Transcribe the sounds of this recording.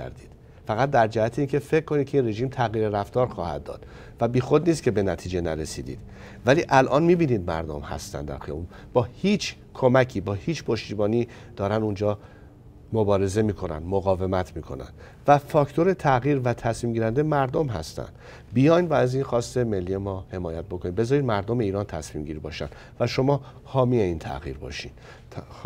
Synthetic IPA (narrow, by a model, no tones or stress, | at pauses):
æ̰ɾd̪iːd̪̥ | fæɣæt̪̚d̪æɾd͡ʒæhæt̪ʰeiːncʰe̞fe̞ckːo̞nid̪̚cʰeinre̞ʒiːmt̪ʰæɣiːɾeɾæft̪ɒːɾxɒːhæ̰d̪̚ːɒ̰ːd̪̥ | væbiːxo̞d̪niːs̬t̪kcʰe̞be̞næt̪ʰiːd͡ʒe̞næɾesḭːd̪ḭːd̪ | væliːʔælʔɒːnmiːbiːniːd̪̚mæ̰ɾd̪o̰mhæ̰st̪æ̰nd̪æ̰ɾxijɒ̰bub̥ɒːhiːt͡ʃʰ | kʰo̞mæcʰiːbɒːhiːt͡ʃpʰo̞ʃt̪iːbɒːniː | d̪̥ɒːɾænd̪und͡ʒɒː | mobɒːɾe̞ze̞miːkʰo̞næ̰nd̪moɣɒːve̞mæt̪ʰmiːkʰo̞næ̰nd̪̥ | væfɒːkʰt̪ʰoɾe̞t̪ʰæɣiːɾvæt̪ʰæsmiːmɟiːɾænd̪emæɾd̪omɦæ̰st̪æ̰nd̪̥ | bijɒːjnvæːzinxɒːst̪e̞me̞lːiːemɒːhe̞mɒːjæt̪̚bo̞kʰo̞niːmbezɒːɾiːd̪mæɾd̪ome̞iːɾɒːnt̪ʰæsmiːmɟiːɾibɒːʃæ̰nd̪̥ | væʃo̞mɒː | hɒːmieiːnt̪ʰæ̰ɣḭːɾbɒ̰ːʃinʰ